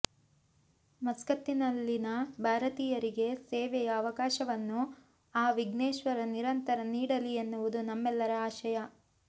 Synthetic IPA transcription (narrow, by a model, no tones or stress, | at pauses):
mɐskɐt̪ːinɐlːinɐbʱaːɾɐt̪iːjɐɾiɡe̞seːʋɛjɐːʋɐkaːʃɐʋɐnːu | aːʋiɡneːʃʋɐɾɐniɾɐnt̪ɐɾɐniːɽɐlienːuʋud̪unɐmːɛlːɐɾɐaːʃɐjɐ